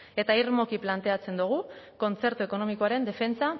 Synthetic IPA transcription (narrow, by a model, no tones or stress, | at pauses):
e̞t̪airmo̞kiplant̪e̞at͡se̞nd̪uɣ̞uko̞nt͡se̞ɾt̪ue̞ko̞no̞miko̞aɾe̞nd̪e̞fe̞nt͡sa